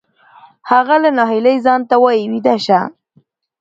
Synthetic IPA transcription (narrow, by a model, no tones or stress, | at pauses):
haɣalanɑɦiləjzɑnt̪awɑjiwid̪aʃa